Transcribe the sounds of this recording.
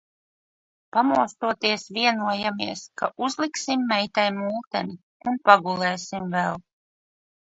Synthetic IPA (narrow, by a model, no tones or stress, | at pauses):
pamuɔst̪uɔt̪iɛsviɛnuɔjamiɛskaʔuzlˠiksimːɛjt̪ajmulˠt̪ɛni | unpaɡulˠɛːsimvɛlˠ